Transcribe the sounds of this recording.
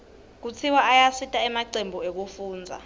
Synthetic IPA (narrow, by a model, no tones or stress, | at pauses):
k̬ut͡sʰiwaajasitʼaɛmaǀembʱuek̬ufuːnd͡zʱa̰